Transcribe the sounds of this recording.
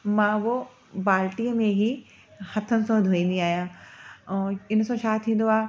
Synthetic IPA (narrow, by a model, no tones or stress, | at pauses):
mãːʋo | baːlʈiəmẽɦi | hɐt̪ʰənɪ̆sõd̪ʱoːĩːn̆d̪iaːɦijãː | ɪnsõt͡ɕʰaːt̪ʰĩːn̆d̪oaː